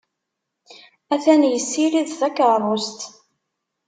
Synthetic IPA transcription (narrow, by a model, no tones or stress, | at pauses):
æθænjəsːiɾiðθækəɾˤost̪